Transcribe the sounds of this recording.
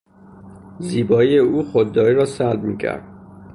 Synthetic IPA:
ziːbɒːijeuːxod̪ːɒːɾiːɾɒːsælb̚miːkcʰæ̰ɾd̪̥̚

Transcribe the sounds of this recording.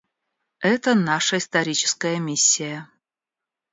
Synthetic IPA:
ɛt̪ənaʂəist̪ɐɾʲit͡ɕɪ̥skəjəmʲisʲːɪjə

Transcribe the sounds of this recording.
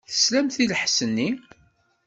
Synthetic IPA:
θə̥slæmθiləħsənːi

